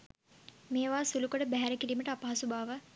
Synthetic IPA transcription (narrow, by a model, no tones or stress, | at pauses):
meːʋaːsulukoɽəbæɦæɾəkiliːməʈəapaɦɐsubaːʋə